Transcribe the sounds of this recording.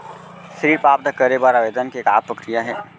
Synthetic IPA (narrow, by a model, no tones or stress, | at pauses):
ʃɾiːpaːp̚d̪əkəɾebaːɾaːʋeːd̪ənkieːka̰ːpɾɐkɾijaɦɛː